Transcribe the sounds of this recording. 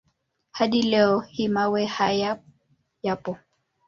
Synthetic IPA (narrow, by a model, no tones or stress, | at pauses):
hadilɛɔhimawɛhaja | japɔ